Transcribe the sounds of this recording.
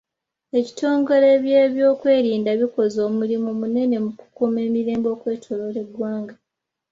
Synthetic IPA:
e̞ci̥to̞ːŋɡo̞le̞βje̞ːβjoːkwe̞ːɾiːndaβiko̞zo̞ːmulimumune̞ne̞muku̥kume̞ːmiɾe̞ːmbo̞ːkwe̞ːtʰo̞lole̞ɡwaːŋɡa

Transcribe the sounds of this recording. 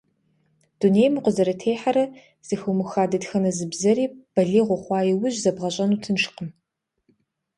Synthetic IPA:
d̥uneːjmɨqʷʊzɐɾɐtʰeːħaɾɐ | z̥ɨxɐwmɨxaːdɐtxɐnɐzɨbzɐɾiːb̥ɐɮiːʁʷʊχʷɑːjɪwʊʑzɐbʁɐɕʼɐnuːtʰɨnʃqəm

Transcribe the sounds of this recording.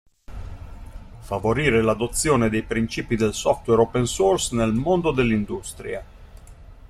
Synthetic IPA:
favoɾiːɾelad̪ot̪sːjoːned̪ejpɾint͡ʃiːpid̪elsɔft̪wɛɾopensorsnelmond̪od̪elːind̪ust̪ɾḭa

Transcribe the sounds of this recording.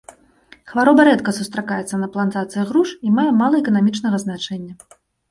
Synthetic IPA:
xvaɾɔbɐɾɛt̪kɐsust̪ɾakajɛt̪sːɐnɐplˠant̪at̪sɨjɐɣɾuʂimajɛmalˠɐɛkɐnamʲit͡ʂnɐɣɐznat͡ʂɛnʲːɐ

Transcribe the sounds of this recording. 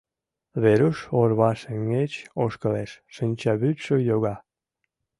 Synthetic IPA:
βeɾuʃorβɑʃəŋɡet͡ɕoʃkəleʃʃənʲt͡ɕɑβyt̪ʃəjoɣɑ

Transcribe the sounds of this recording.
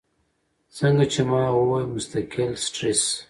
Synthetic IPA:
səŋɡat͡ʃemɑːwowajmʊst̪akɪlsʈɾis

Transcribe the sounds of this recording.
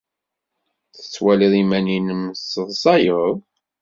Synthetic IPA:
θə̥t͡sːwæliðˤimæninəmsəðˤsˤɑjəðˤ

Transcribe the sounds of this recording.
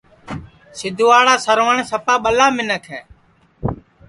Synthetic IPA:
sɪd̪ʱuːaːɽaːsəɾʋəɳsəpaːɓəlaːmɪnəkʰɛː

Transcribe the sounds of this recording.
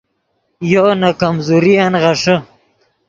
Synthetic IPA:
jonakamzuɾijanʁaʂə

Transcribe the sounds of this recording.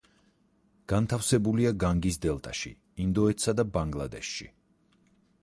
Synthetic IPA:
ɡ̥ant̪ʰafsɛbuliaɡaŋɡis̬d̪ɛlˠt̪ʼa̰ʃḭ | ind̪ɔɛt̪sad̪abaŋɡlˠad̪ɛʃːḭ

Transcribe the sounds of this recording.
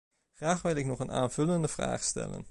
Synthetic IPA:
χraːχʋɪlɪknɔχəna̰ːnv̥ɵləndəv̥ra̰ːχstɛ̰lə̰n

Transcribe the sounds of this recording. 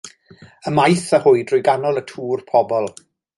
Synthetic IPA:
əmajθəhʊɨdrʊjɡanɔlˠətʰuːrpʰɔbɔlˠ

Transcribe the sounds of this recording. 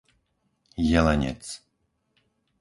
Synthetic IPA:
jɛlɛɲɛ̰t̪s

